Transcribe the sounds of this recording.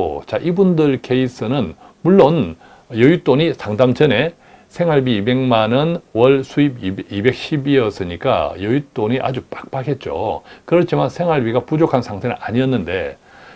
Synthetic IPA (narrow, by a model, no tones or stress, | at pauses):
o̰t͡ɕaʔibundɯɭkʰe̞is͈ɯnɯn | muɭːon | jʌjut͈oɲisʰaŋdamt͡ɕʌne̞ | sʰe̞ŋaɭbiːbe̞ŋmanɯnwʌɭsʰuibibe̞k̚ɕ͈ʰibiʌs͈ɯɲik͈a̰jʌjut͈oɲiʔa̰d͡ʑupak̚p͈akʰe̞t̚t͡ɕ͈o̰kɯɾʌt͡ɕʰimansʰe̞ŋaɭbiɡapud͡ʑokʰansʰaŋtʰenɯnaɲiʌnːɯnde̞